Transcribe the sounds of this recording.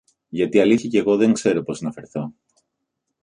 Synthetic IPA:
ʝɐt̪iɐliθçjɐce̞ɣo̞ðe̞ŋkse̞ɾo̞po̞snɐfeɾθo̞

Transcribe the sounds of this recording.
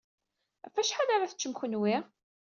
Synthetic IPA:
æfæʃħad̪aɾaθə̥t͡ʃːəmxənwiʁ

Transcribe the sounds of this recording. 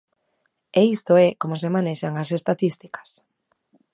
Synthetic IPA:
eist̪oɛkomosemaneʃaŋasest̪aðist̪ikḁs

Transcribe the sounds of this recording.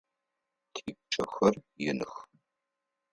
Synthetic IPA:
tʰeːk̚ʷt͡ʃʼɐxɐrjɪnɨx

